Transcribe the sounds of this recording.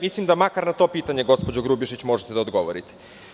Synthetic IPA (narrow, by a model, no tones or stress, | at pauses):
mislˠimd̪amakaɾnat̪o̞piːt̪aɲe̞ɡo̞spod͡ʑoɡɾubiʃit͡ɕmo̞ʒet̪ed̪aod̪ɡo̞ʋoɾit̪e̥